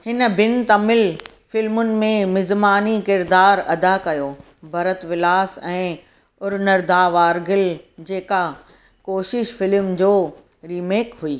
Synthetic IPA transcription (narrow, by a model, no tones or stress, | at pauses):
hɪnəbɪnt̪amɪl | fɪlmʊnɪ̆mẽmɪzmaːnikɪɾd̪aːɾɐd̪akɐjoː | bʱɐɾət̪ʋɪlaːsɛ̃ː | ʊɾnəɾd̪aːʋaːɾɡɪld͡ʑeːka | koːʃɪʃfɪlmd͡ʑoː | ɾiːmeːkɦuiː